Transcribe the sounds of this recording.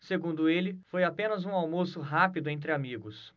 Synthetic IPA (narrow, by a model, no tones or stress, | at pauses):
seɡũnd̪ʊelɪfojapẽnɐzũawmosʊɦapid̪ʊẽnt̪̬ɾɪamiɡʊs